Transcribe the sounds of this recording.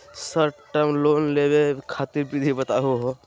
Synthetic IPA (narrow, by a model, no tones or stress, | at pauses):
səɾʈəmlonlebekʰat̪iɾpɾid̪ʱibət̪aɦuɦo